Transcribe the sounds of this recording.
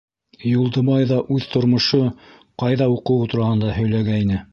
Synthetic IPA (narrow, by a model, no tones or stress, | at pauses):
julˠd̪ɤ̆mɑjðɑʔʉðt̪ŏɾmŏʃo | qɑjðɑuqɤ̆wt̪uɾɑhɤ̆nd̪ɑhɵ̆jlæɡæinɘ